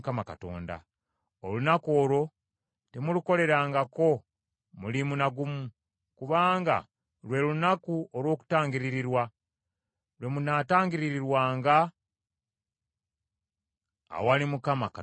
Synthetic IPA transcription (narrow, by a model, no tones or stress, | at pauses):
kamakato̞̰ːnda̰ | olunako̞ːlo̞ | temuluko̞le̞ɾaːŋɡako̞ | mulimunaɡumu | kuβaːŋɡa̰ | lwe̞lunakuolwo̞ːku̥taːŋɡiɾiɾiɾwa | lwe̞munataːŋɡiɾiɾiɾwaːŋɡa | a̰walimukamaka